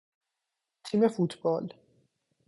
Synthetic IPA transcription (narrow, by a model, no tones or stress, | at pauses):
t̪ʰiːmefut̪ʰbɒːl